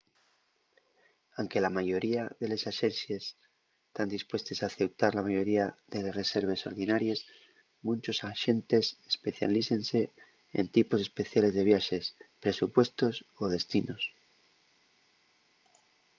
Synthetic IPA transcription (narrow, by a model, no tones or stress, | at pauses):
awŋke̞lamaʝo̞ɾiaðe̞le̞saʃe̞nθje̞s | t̪and̪ispwe̞st̪e̞saθe̞w̚t̪aɾlamaʝo̞ɾiaðe̞le̞sre̞se̞ɾβ̞e̞so̞̰ɾðinaɾje̞s | mũnt͡ʃo̞saʃe̞nt̪e̞sespe̞θja̰liθe̞nse̞ | ḛnt̪ipo̞se̞spe̞θjale̞zðe̞β̞jaʃe̞spɾe̞supwe̞st̪o̞soð̞e̞st̪ino̞s